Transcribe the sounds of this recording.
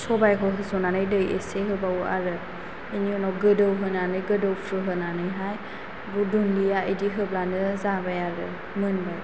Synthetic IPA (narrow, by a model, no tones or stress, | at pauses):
sɔbajkʰɔɦɯsɔnanɯjdɯjḛseɦɯbaua̰ɾɯ | eniɔnɔɡɯdɯwɦɯnanɯjɡɯdəwpʰɾɯɦɯnanɯjɦaj | budunlijaediɦɯblanɯzabajaɾɯ̰ | mɯnbaj